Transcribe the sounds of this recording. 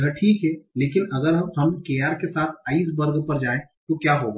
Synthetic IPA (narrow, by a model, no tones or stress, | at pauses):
əʈʰiːkɦɛleːkɪnɐɡəɾɦɐmɦɐmkeːaːɾkesaːt̪ʰaːis̬bəɾɡpɐɾd͡ʒaːẽ | t̪okjaːɦoɡa